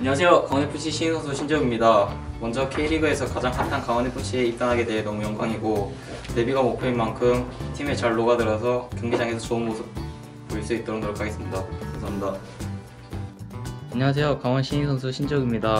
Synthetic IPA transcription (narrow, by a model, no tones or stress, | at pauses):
aɲʌwas̬ʰe̞jokaŋwʌnepʰuɕʰiɕʰiinsʰʌnsʰuɕʰind͡ʑʌɡimɲida | mwʌnd͡ʑʌkʰeiɾiɡɯe̞sʰʌkad͡ʑaŋkʰantʰankaŋwʌnepʰuɕʰie̞ip̚t͈anɦaɡe̞dwe̞ɦenʌmujʌŋɡʰaŋiɡo | te̞biɡamopʰeinmankʰɯmtʰime̞t͡ɕaɭːoɡadɯɾʌsʰʌkjuŋɡed͡ʑaŋe̞sʰʌt͡ɕoɯnmosʰɯp̚ | poiɭs͈uit͈ʌɾɯnŋɡɯɾokʰaɡe̞s͈ɯmɲidakaŋsʰaamɲida | aɲʌwas̬ʰe̞jokaŋʌnɕʰiinsʰʌnsʰuɕʰind͡ʑʌɡimɲida